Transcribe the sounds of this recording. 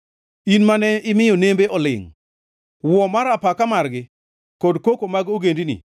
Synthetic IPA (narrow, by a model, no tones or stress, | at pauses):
inmanɛɪmɪjɔnembeʔɔlɪ̰ŋ | wɔmaɾapakamarɡɪ | kɔdkokomaɡoɡendinḭ